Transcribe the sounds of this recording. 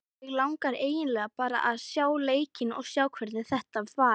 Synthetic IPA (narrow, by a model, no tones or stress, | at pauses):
ɪɣlawŋkaɾeːjɪnlɛːɣapaːɾa̰ʔaðsjaːwleːjcɪnɔ̰ɣsjaːwkʰvɛɾðɪθɛht̪avvaː